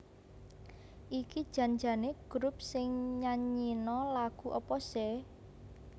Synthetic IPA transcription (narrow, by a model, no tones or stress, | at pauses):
ʔikid̥ʒ̥a̤nd͡ʒa̤neɡ̥ɾup̚sɪŋɲaɲinɔlaɡ̥ṳʔɔpɔsɛ